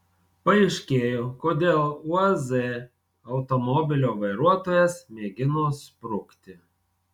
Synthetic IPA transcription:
pɐɛɪʃʲkʲeːjoːkoːd̪ʲeːlˠuɐzɛ | ɐʊt̪omɔbʲɪlʲoːʋɐɪɾuɔt̪oːjɛsmʲeːɡʲɪnoːspɾʊkt̪ʲɪ

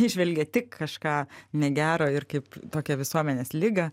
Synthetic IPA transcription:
ɪʒʲʋʲɛlʲɡʲɛt̪ʲɪkkɐʃkɑːnʲɛɡʲæːɾoːɪrkɐɪpt̪oːkʲɛʋʲɪsuɔmʲɛnʲeːslʲɪɡɐ

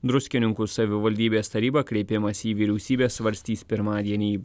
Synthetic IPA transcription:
d̪ɾʊsʲkʲɪnʲɪŋkusɐʋʲɪʋɐlʲd̪ʲiːbʲeːst̪ɐɾʲiːbɐkɾʲɛɪpʲɪmɐsʲiːʋʲiːɾʲɛʊsʲiːbʲeːsʋɐɾʲsʲt̪ʲiːspʲɪɾmɑːd̪ʲiɛnʲiː

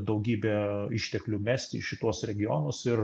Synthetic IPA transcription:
d̪ɐʊɡʲiːbʲeːɪʃʲt̪ʲɛklʲʊmʲæːsʲt̪ʲɪ̰ʃʲɪt̪uɔsɾʲɛɡʲɪjonoːsɪɾ

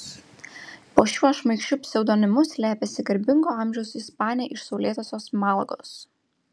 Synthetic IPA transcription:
poːʃʲuɔʃmɐɪkʃʲt͡ʃʲʊpʲsʲɛʊd̪oːnʲɪmʊsʲlʲæːpʲesʲɪɡɐɾʲbʲɪŋɡoːɐˑmʲʒʲɛʊsɪspɑːnʲɪjɛʔɪʃsɒʊlʲeːt̪oːsʲoːsmɑˑlˠɡo̰ːs

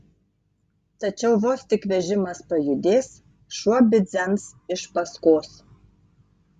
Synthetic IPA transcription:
t̪ɐt͡ʃʲɛʊʋoːst̪ʲɪkʋʲɛʒʲɪmɐspɐjʊd̪ʲeːs | ʃuɔbʲɪzʲɛmsɪʃpɐskoːs

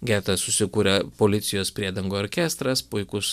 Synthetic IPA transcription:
ɡʲæːt̪ɐssʊsʲɪkuːɾʲɛpoːlʲɪt̪sʲɪjoːspʲɾʲiɛd̪ɐŋɡoːɾʲkʲæst̪ɾɐspʊɪkʊs

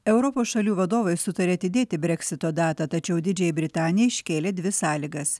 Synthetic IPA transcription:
ɛʊɾɔpoːsʃɐlʲuːʋɐd̪oːʋɐɪsʊt̪ɐɾʲeɐt̪ʲɪd̪ʲeːɪbʲɾʲɛkʲsʲɪt̪oːd̪ɑːt̪ɐt̪ɐt͡ʃʲɛʊd̪ʲɪd͡ʒʲɛjɛbʲɾʲɪt̪ɑːnʲɪjɛɪʃʲkʲeːlʲeːd̪ʲʋʲɪsɑːlʲiɡɐs

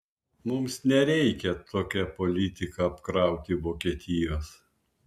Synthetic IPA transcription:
mʊmsnʲɛɾʲɛɪkʲɛt̪ʰoːkʲɛpɔlʲɪt̪ʲɪkɐɐpkɾɑˑʊt̪ʲɪʋoːkʲiɛːt̪ʲɪjoːs

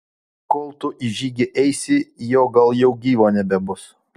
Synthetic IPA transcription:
kɔːlˠt̪ʊʔɪʒʲiːɡʲɪʔɛɪsʲɪjoːɡɐlˠjɛʊɡʲiːʋoːnʲɛbʲɛbʊs

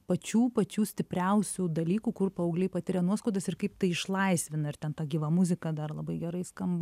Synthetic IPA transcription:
pɐt͡ʃʲuːpɐt͡ʃʲuːsʲt̪ʲɪpʲɾʲɛʊsʲud̪ɐlʲiːkuːkʊrpɐɐʊɡlʲɛɪpɐt̪ʲɪɾʲɛnuɔskoːd̪ɐsɪrkɐɪpt̪ɐɪɪʃlˠɐɪsʲʋʲɪnɐɪrt̪ʲɛnt̪ɑːɡʲiːʋɐmʊzʲɪkɐd̪ɐrlˠɐbɐɪɡʲɛɾɐɪskɐmb

